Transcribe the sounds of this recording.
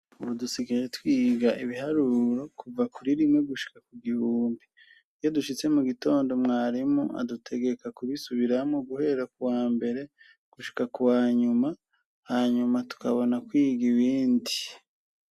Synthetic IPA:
uβudusiɡijetwiːɡaʔiβihaɾuɾo̞kʰuvakuɾiɾimŋeɡuʃi̥kakuɡihuːmbi | jo̞duʃit͡se̞muɡito̞ːndo̞mŋaːɾimuʔa̰dutʰe̞ɡe̞kakuβisuβiɾamŋoɡuhe̞ɾakuwaːmbe̞ɾe̞ | ɡ̥uʃi̥kakuwaːɲuma | haːɲumatu̥kaβo̞nakwiːɡiβiːndi

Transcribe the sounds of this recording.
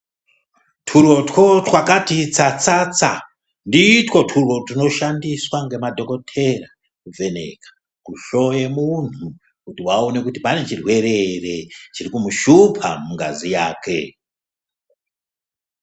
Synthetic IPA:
tʰuro̞tko̞twakatit͡sat͡sat͡sa | ndiːtwo̞tʰurwo̞tuno̞ʃandiswaŋɡe̞madʱo̞ko̞tʰe̞ra | kuvʱe̞nḛkḁ | kuʃo̞jemun̤u | kutiwaone̞kutipane̞t͡ʃirwe̞ɾeret͡ʃirikumuʃupʰa̰muŋɡa̰zijaːkʰe̞

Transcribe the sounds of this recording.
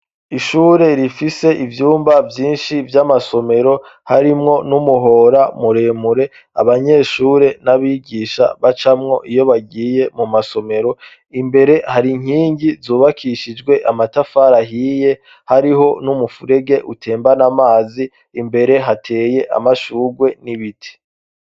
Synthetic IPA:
iʃuːɾe̞ɾifise̞ʔivjuːmbavjiːnʃivjamaso̞me̞ɾo̞haɾimŋo̞numuɦo̞ɾamuɾe̞ːmuɾe̞ | a̰βaɲe̞ːʃuːɾe̞naβiːɡiːʃa̰βat͡ʃamŋo̞ʔijo̞βaɡiːje̞mumaso̞me̞ɾo̞ | imbe̞ɾe̞haɾiŋ̥iːɲɟizuːβakʰiʃid͡ʒɡwe̞ʔamatafaɾaɦiːje̞ | haɾiɦo̞numufuɾe̞ɡe̞ʔutʰe̞ːmbanamaːziː | mbe̞ɾe̞ɦatʰe̞ːje̞ʔa̰maʃuːɡwe̞niβitʰi̥

